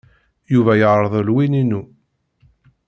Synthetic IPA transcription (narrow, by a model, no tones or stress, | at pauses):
juvæjəʁɾˤəðˤəlwininu